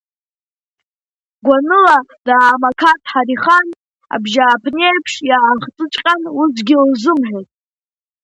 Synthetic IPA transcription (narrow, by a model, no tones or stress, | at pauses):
ɡʷanɨladaːmakʰatʰʼħaɾiχan | a̰bʒaːpʰneapʰʂjaχt͡sʼɨt͡ʃʼqʲʼanusɡʲɪlzɨmħojtʼ